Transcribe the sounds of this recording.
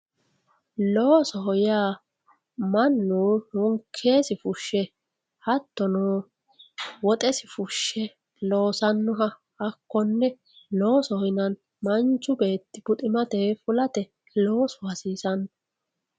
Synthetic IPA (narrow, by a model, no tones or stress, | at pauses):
loːsɔɦɔjaː | mɐnːuhʊŋkʰːe̞ːsɪfʊʃːɛ | hɐt̪ːɔnoː | wɔt̪ʼɛsɪfʊʃːɛ | lo̞ːsɐnːʊɦɐ | ɐkːɔnːɛ | lo̞ːsɔhɔjnɐn | mɐnt͡ʃːʊbe̞ːt̪ːɪb̥ʊt̪ʼɪmɐt̪ɛfʊlɐt̪ɛ | lo̞ːsɔhɐsiːsɐnːɔ